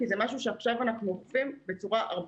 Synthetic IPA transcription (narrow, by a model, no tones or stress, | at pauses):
kizemaʃuʃeaχʃavanaχnuofimbe̞t͡suʁaʔa̰ʁb